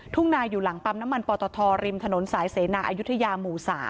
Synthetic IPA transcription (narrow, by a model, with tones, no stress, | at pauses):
t̪ʰu˥˩ŋnaː˧jːuː˨˩la˩˦ŋpa˧mna˦˥ma˧npɔː˧t̪ɔː˧t̪ʰɔː˧ɾi˧mt̪ʰa˧no˩˦nsaː˩˦jseː˩˦naː˧ʔaː˧ju˦˥t̪ʰːa˧jaː˧muː˨˩sa̰ː˩˦